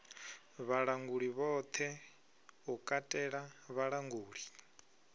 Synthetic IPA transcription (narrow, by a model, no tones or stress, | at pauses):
βaɺaŋɡuɺiβɔt̪ʰɛ | ukʼatʼɛɺaβaɺaŋɡuːɺi